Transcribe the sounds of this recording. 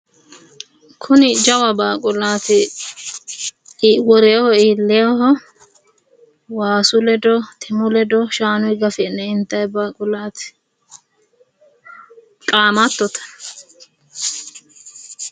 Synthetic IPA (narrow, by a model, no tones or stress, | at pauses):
kʰʊnɪd͡ʒɐwɐbaːkʼʊlaːt̪ɪ | wɔɾejhɔiːlːɛjɔhɔ | waːsʊlɛd̪ɔt̪ʰɪmʊlɛd̪ɔʃaːnʊjɡɐfɛnːɛɪnt̪ːɐjbaːkʼʊlaːt̪ɪ̥ | kʼaːmɐt̪ːɔt̪ɐ̥